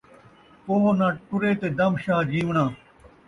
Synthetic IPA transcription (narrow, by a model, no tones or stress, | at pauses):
koːɦnãːʈʊɾeːt̪eːd̪ɐmʃaːd͡ʑĩːʋɳãː